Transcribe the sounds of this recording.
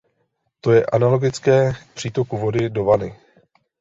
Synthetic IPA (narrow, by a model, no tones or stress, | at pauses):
t̪o̞jɛʔanalo̞ɡɪt͡skɛːpr̥iːt̪o̞kuvo̞dɪdo̞vanɪ